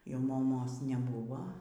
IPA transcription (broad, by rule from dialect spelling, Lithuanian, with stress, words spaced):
jɛʊ moːˈmoːs nʲɛˈbʊʋoː